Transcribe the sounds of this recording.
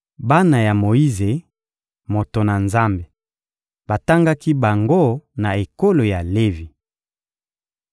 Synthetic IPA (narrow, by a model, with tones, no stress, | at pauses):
ba˦na˨ja˨mo˨i˦ze˨ | mo˨to˨na˨nza˦mbe˨ | ba˨ta˦ŋɡa˦ki˦ba˨ŋɡo˦na˨e˨ko˦lo˨ja˨le˦vi˨